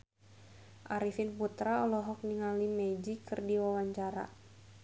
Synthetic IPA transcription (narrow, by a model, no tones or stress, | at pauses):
ʔaɾifɪnput̪ɾaɔlɔɦɔk̚niŋalimɛd͡ʒikɨrdiwawaɲt͡ʃaɾa̰